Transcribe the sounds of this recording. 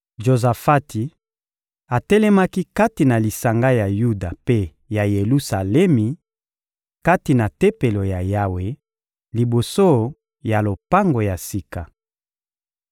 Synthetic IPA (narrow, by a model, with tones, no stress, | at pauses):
ʒo˨za˨fa˦ti˨ | a˨tɛ˦lɛ˦ma˦ki˦ka˦ti˨na˨li˨sa˨ŋɡa˦ja˨ju˦da˨pe˦ | ja˨je˨lu˦sa˨lɛ˦mi˨ | ka˦ti˨na˨tɛ˦pe˨lo˨ja˨ja˦we˨ | li˨bo˨so˦ | ja˨lo˨pa˦ŋɡo˨ja˨si˦ka˨